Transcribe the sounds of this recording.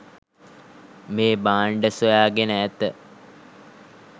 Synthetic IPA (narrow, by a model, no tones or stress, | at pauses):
meːbaːɳɖəsojaːɡenəːt̪ə